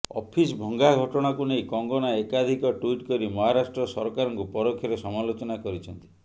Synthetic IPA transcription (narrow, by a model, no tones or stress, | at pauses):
ɔ̰pʰisbʱɔŋɡaɡʱɔʈɔɽ̃akunejkɔŋɡɔnaekad̪ʱikɔʈwiʈkɔɾimɔɦaɾasʈɾɔsɔɾkaɾɔŋkupɔɾokʰːjɔɾesɔmalot͡ʃɔnakɔɾit͡ʃʰɔnt̪i̥